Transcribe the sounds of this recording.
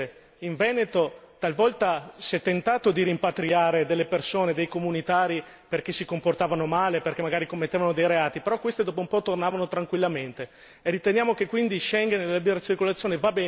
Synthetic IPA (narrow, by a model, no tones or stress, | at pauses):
iɱvɛːnet̪ot̪alvɔlt̪asɛt̪ːent̪aːt̪od̪iɾimpat̪ɾiaːɾed̪elːepersoːned̪ejkomunit̪aːɾi | perk̟esikomport̪aːvanomaːleperkemːaɡaːɾikomːet̪ːeːvanod̪ejɾeaːt̪ipeɾɔkwest̪ed̪ɔːp̬oumpɔt̪ornaːvanot̪ɾaŋkwilːament̪e | erit̪enjaːmok̟ekːwind̪iʃɛŋɡenellabiɾat͡ʃirkolat̪sjoːnevabɛː